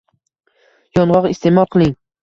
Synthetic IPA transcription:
jɒnʁɒqɪst̪emɒlˠqʰɨlˠɪŋ

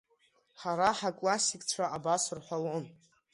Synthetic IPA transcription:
χaɾaħakʼlasikʼt͡sʷʰaabasɨrħʷalon

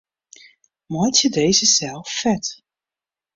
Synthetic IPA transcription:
mɔtjədejzəsɛlˠfːɛt

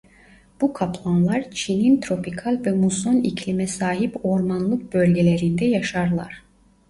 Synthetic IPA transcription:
b̥ukʰapʰlˠanlˠaɾt͡ʃʰinint̪ʰɾo̞pʰikʰalʲvɛmusonicʰlʲimɛsaːɦipo̞ɾmanlˠɯk̚b̥ølʲɟelʲeɾind̪ɛjaʃaɾlˠa̰ɾ̥

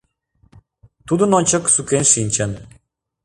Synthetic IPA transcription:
t̪ud̪ənonʲt͡ɕəksukenʃinʲt͡ɕə̆n

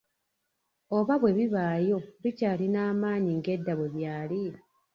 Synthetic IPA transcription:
o̞βaβwe̞βiβaːjo̞βicaːlinaːmaːɲiŋɡe̞dːaβwe̞βjaːli

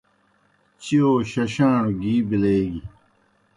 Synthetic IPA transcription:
t͡ɕioːɕɐɕãːɽɡiːbileːɡi

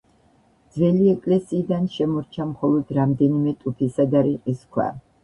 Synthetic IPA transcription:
d̪zvɛliɛkʼlɛsiːd̪anʃɛmɔɾt͡ʃʰamχɔlˠɔd̪ɾamd̪ɛnimɛt̪ʼupʰisad̪aɾiqʼiskʰwa̰

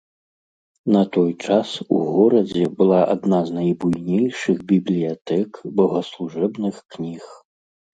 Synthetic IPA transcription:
nɐt̪ɔjt͡ʂasṵɣɔɾɐd͡zʲɛbɨlˠaʔa̰d̪naznajbujnʲejʂɨɣbʲiblʲijat̪ɛkbɐɣɐslˠuʐɛbnɨxknʲix

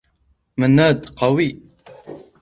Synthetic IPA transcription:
mənːad̪qɑwi

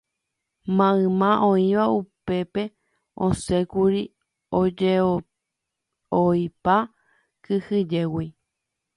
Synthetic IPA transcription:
mãɨ̃mãʔõĩʋaupe̞pe̞ | õ̰sekuɾi | od͡ʒe | ojpa | kɨhɨd͡ʒewi

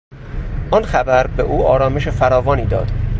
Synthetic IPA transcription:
ʔɒnxæbæɾbeʔuːɒːɾɒːme̞ʃefæɾɒːvɒːniːd̪ɒ̰ːd̪̥

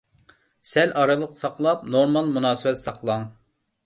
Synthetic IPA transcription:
sɛlʔɑɾɨlˠəqsɑqlˠɑp̚noɾmɑlˠmunɑːsɨbɛt̪sɑqʰlˠɑŋ

